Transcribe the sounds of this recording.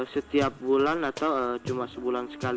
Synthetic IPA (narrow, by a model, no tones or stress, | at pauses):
sət̪iap̚bulanat̪awət͡ʃumasəbulansə̥kal